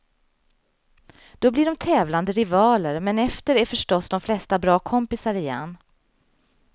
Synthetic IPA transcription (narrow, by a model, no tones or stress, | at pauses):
d̪̥ɔblɪɖɔmt̪ʰɛːvland̪əɾɪvɑːləɾmɛnɛft̪əɾæɾfœʂʈɔsd̪ɔmflɛst̪abɾɑːkʰɔmpɪsaɾɪjɛ̰nː